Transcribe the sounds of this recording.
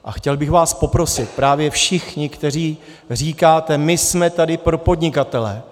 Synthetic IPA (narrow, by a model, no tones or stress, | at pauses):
ʔa̰xcɛlbɪxvaːspo̞pɾo̞sɪt̪̚pɾaːvjɛfʃɪxɲɪkt̪ɛr̝iː | r̝iːkaːt̪ɛmɪsmɛt̪adɪpɾo̞po̞dɲɪkat̪ɛlɛ̰